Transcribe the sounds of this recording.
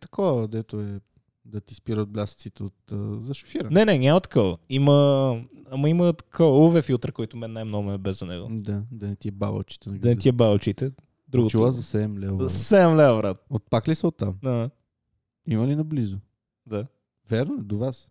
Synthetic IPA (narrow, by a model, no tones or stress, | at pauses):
t̪ɐ̥kɔvɐd̪ɛt̪oɛ | d̪ɐt̪ispiɾət̪̚blʲast̪sit̪ɛot̪ːzɐʃo̥fiɾənnɛnɛɲʲamət̪ɐ̥kɔvə̰imə | amɐimət̪ɐ̥kʰɔvuvɛfilˠt̪ɾkɔjit̪ʊmɛnnːajmnɔɡɛbɛzɐnɛ̰ɡo̰d̪ad̪ɐnɛt̪iɛba̰bɐ̰t͡ʃi̥t̪ɛnɐɡd̪ɐnɛt̪iɛbaət͡ʃit̪ɛ | d̪ɾuɡot͡ʃilˠazɐsɛd̪ɛmlɛvzssɛd̪ɛmlɛvəvɾat̪ot̪̚paklisəot̪ːamd̪ada | imɐlinɐblizʊ | d̪a | vʲɛɾnoɛd̪ovas